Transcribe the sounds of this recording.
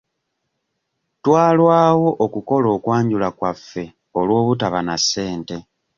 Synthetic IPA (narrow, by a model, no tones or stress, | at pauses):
twaːlwaːwo̞ʔokuko̞lo̞ːkwaːɲɟulakwafːe̞ | olwo̞ːβutaβanasːe̞ːnte̞